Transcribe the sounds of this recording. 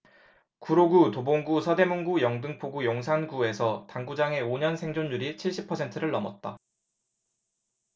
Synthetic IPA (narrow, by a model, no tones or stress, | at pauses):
kuɾoɡutoboŋɡusʰʌde̞moŋɡujʌŋdɯŋpʰoɡujoŋsʰanɡue̞sʰʌtaŋɡud͡ʑaŋe̞oɲʌnsʰe̞ŋd͡ʑoɲːuɾit͡ɕʰiɭɕ͈ipʰʌsʰe̞ntʰɯɾɯɭːʌmʌt̚t͈a